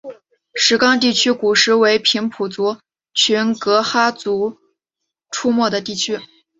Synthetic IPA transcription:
ʂɻ̩˧˥kɑ˥ŋt̪̬i˥˩t͡ɕʰy˥ku˨˩ʂɻ̩˧˥we˧˥ɪpʰi˧˥ŋpʰu˨˩t͡su˧˥ | t͡ɕʰy˧˥nkɤ˧˥xa˥t͡su˧˥ | ʈ͡ʂʰu˥mwɔ˥˩d̪ə˩t̪i˥˩t͡ɕʰy˥

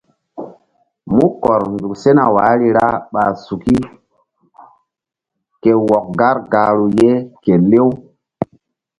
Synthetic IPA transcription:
mu˦kɔ˨ɾndu˨kse˦na˨waː˨˦ɾi˦ɾa˦ɓa˨su˨ki˦ | ke˨wɔ˨k̚ɡa˦ɾɡa˨ɾu˨je˦ke˨le˦w

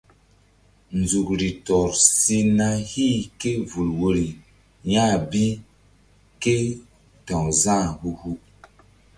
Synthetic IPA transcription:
nzu˨kɾi˨tɔ˨ɾsi˦na˦hi˦˨ke˦vu˨lwo˦ɾi˨ | jã˦˨bi˦ | ke˦ | tɔ̃˨zã˦˨hu˦hu˦

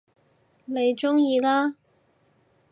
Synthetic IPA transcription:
ne˨˧jt͡ʃʊ˥ŋjiː˧laː˥

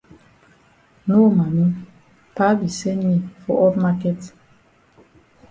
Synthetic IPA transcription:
no˦ma˨mi˦ | pa˦bi˨sɛ˦ni˨fɔ̰˨ʔɔ˦pma˦kɛ˦t

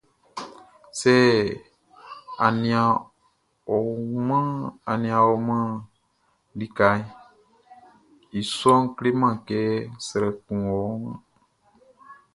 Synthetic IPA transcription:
sɛ˦ | a˨nĩ˨a˨ | o˨mə̃˦a˨nĩ˨ã˨o˨mə̃˦ | di˦ka˨˦i˦ | i˨sɔ̃˦ŋkle˦mã˨kɛː˨˦sɛ˨ɾɛ˨kũ˨ɔ˨˦ŋə̃˦

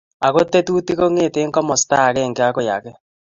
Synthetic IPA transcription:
a˨ɣo˦te˦tu˦ti˦ɣo˦ŋeː˦˨teː˦ŋkɔ˦mɔ˨sta˦˨ɾe˦˨ŋɡe˦a˦ɣo˦˨ja˨ɣɛ˦

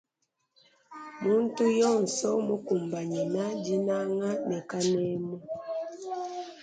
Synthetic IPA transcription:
mu˦n̩˦tu˦jɔ˦˨n̩˨sɔ˦mo˦ku˨mba˨ɲɛ˨na˦di˦na˦ŋa˦nɛ˨ka˦nɛ˦mɔ˦

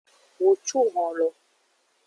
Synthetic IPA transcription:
wo˨t͡ʃu˦˨ɣɔ̃˨lɔ˨

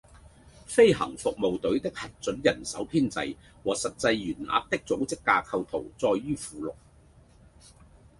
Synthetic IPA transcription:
fe˥jɦɐ̰˨˩ŋfʊ˨k̚mo˨wt̪ɵ˨˥ɥt̪ɪ˥k̚hɐ˨t̚t͡sɵ˨˥njɐ˨˩nsɐ˨˥wpʰiː˥nt͡sɐ̰˧j | wɔː˨˩sɐ˨t̚t͡sɐ˧jːyː˨˩nla̰ː˧˥k̚t̪ɪ˥k̚t͡so˨˥wt͡sɪ˥kːaː˧kʰɐ˧wt̪ʰo˨˩wt͡sɔː˧jːyː˥fuː˨lʊ˨k̚

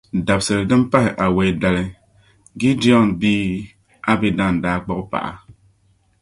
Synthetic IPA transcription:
da˨p̚sə˨ɾdɨ˦m˦pa˦hi˨ʔa˨we˨˦da˦li˦ | ɡi˦di˦ɔ˦˨nbi˦ | a˦bi˦da˦˨n̩˨daː˦˨k͡pɔ˦kpa̰˨ʔa̰˨

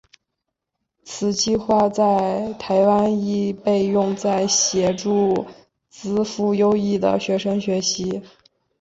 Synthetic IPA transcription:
t͡sʰɹ̩˨˩t͡ɕi˥˧xwa˥˧t͡sa˥˩ɪt̪ʰa˧˥ɪwa˥ni˥˩pe˥˧ɪjʊ˥˧ŋt͡sa˥˩ɪɕjɛ˨˩ʈ͡ʂu˥˩ | t͡sɹ̩˥fu˥jo˥ʊi˥˩d̪ə̰˩ɕɥɛ˧˥ʂɤ˥ŋɕɥɛ˧˥ɕi˧˥

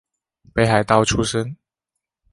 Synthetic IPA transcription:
pe˨˥ɪxa˨˦ɪt̪ɑ˥˨ʊʈ͡ʂʰu˥ʂə˦˥n

